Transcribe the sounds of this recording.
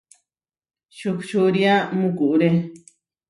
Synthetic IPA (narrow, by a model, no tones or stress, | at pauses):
ʃukʃuɾiamũkuʔuɾe